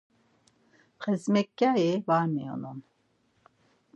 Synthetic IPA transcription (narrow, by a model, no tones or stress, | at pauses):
χɛzmɛkːaivaɾmḭjɔ̰nun